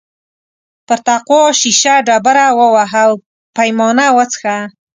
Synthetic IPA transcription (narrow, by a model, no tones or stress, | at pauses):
pəɾt̪aqoʃiʃaɖɑbaɾawəwaɦaw | pajmɑnawət͡sxa